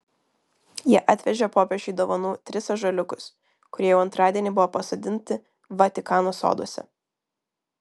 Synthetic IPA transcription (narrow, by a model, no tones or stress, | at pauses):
jiɛʔɑt̪ʲʋʲɛʒʲɛpoːpʲɛʒʲʊɪd̪oːʋɐnuːt̪ʲɾʲɪsɐʒɐlʲʊkʊs | kʊɾʲiɛjɛʊɐnt̪ɾɑːd̪ʲiɛnʲibʊʋoːpɐsoːd̪ʲɪnʲt̪ʲɪ | ʋɐt̪ʲɪkɑːnoːso̰ːd̪o̰ɔsʲɛ̰